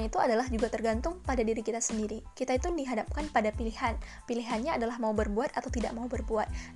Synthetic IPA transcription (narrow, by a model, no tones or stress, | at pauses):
it̪uadalahd͡ʒuɡat̪ərɡant̪ʊŋpadadiɾikit̪asəndiɾikit̪ait̪udiɦadap̚kanpadapilihanpiliɦanɲaːdalahmaubərbuat̪at̪awt̪ida̰ʔmaubərbuat̪̚